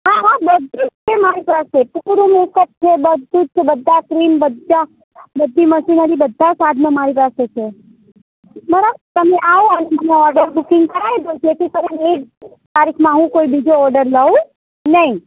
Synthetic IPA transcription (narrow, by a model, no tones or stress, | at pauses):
ɦãɦãbəd̪ʱut̪̚t͡ʃʰemaɾipasepuɾumukət̪̚t͡ʃʰebəd̪ːut̪̚t͡ʃʰebəd̪ʱːakɾimbəd̪d͡ʒa | bəd̪ʱːiməʃinaɾibəd̪ʱːasad̪ʱnəmaɾipaset͡ʃʰe | məɾat̪əmeʔaoəneməneɔɾɖəɾbukɪŋɡkəɾaid̪ʱot͡ʃʰet̪ʰikəɾinek | t̪aɾikʰmãɦũkoibid͡ʒoɔɾɖəɾləũ | nəɦĩ